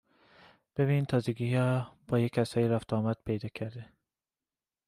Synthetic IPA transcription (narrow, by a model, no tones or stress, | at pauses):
b̥eβiːnt̪ʰɒːzeɡihɒb̥ɒːjechæsɒːjeɾæft̪ʰɒːmæd̪̥̚pʰejd̪ɒːcʰæɾd̪e